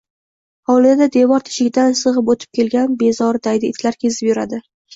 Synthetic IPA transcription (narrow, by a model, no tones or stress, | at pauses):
ɒwlˠɪd̪ad̪e̞vɒɾt̪ʰɪ̥ʃɪkʲd̪ansɨʁɨpot̪ʰɪ̥p̚kʲʰe̞lɡʲanbe̞zɒɾd̪ajd̪ɪɪt̪ʰlaɾkʲʰezɪpjʊɾa̰d̪ɪ